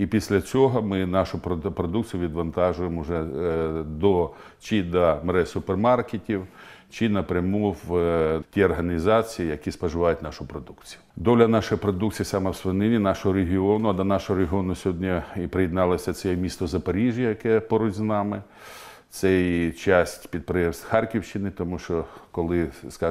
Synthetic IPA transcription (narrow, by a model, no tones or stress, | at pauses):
ipʲisʲlʲɐt͡sʲɔɦɔmɪnɑʃʊppɾɔd̪ukt͡sʲijʊʋʲid̪ʋɐnt̪ɑʒʊjemʊʒɛ | d̪ɔ | t͡ʃid̪ɐmɾɛsʊpermɑrketʲiwt͡ʃɪnɐpɾʲɐmuwtʲiɔrɦɐnʲizɑt͡sʲijijɐkʲispɐʒɪʋɑjʊtʲnɑʃʊpɾɔd̪ukt͡sʲijʊd̪ɔlʲɐnɑʃɔjipɾɔd̪uk̚t͡sʲijisɑmɛwsʋɐnɪnʲinɑʃɔɦɔɾeɦʲiɔnʊɐd̪ɐnɑʃɔɦɔɾeɦʲiɔnʊsʲɔɦɔdʲnʲiipɾɪjɪd̪nɑlˠɔsʲɐt͡s̪ʲɛɛmʲist̪ɔzɐpɐɾʲiʒjɐjɐkɛpɔɾʊtʲznɑmɪ | t̪sɛjt͡ʃɑsʲtʲpʲid̪̚pɾɛsʲxɑrkʲiwʃt͡ʃɪnɪt̪ɔmuʃt͡ʃɔkɔlˠɪskɑ